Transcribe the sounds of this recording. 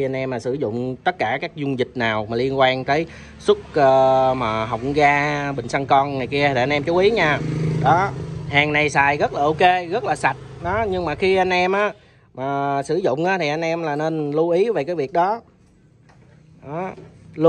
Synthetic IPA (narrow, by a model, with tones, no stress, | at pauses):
a˧n̟ʔɛ˧mːaː˨˩sɨ˧˩zʊ̰˧˨ŋ͡mt̪ə˦˥t̚kaː˧˩kaː˦˥k̚zʊ˧ŋzï˨˩k̟̚naː˨˩wmaː˨˩li˧ənkwaː˧nt̪əː˨˦j | sʊ˦˥k͡p̚əː˧maː˨˩ɦə˨˩wk͡p̚ɣaː˧ɓï˨˩ŋ̟sa˧ŋkɔ˧nŋaː˨˩jki˧əi˨˩a˧nʔɛ˧mt͡ɕu˨˦ʔi˨˦ɲaː˧ɗɔ˨˦haː˨˩ŋna˨˩jsaː˨˩jɣə˦˥t̚laː˨˩ʔo˧ke˧ɣə˦˥t̚laː˨˩sa˨˩t̚ɗɔ˨˦ɲɨ˧ŋmaː˨˩xi˧ʔa˧jnʔɛ˧mʔaː˨˦ | maː˨˩sɨ˧˩zʊ̰˧˨ŋ͡mʔaː˨˦t̪ʰi˨˩ʔa˧jnʔɛ˧mlaː˨˩ne˧nlu˧ʔi˨˦ve˨˩kaː˨˦jvi˨˩ək̚ɗɔ˨˦ | ʔɔ˨˦l